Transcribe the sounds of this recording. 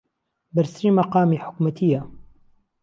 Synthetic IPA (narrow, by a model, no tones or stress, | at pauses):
bɐɾsɾiːmɐqɑːmiːħʊ̥kmɐt̪ʰija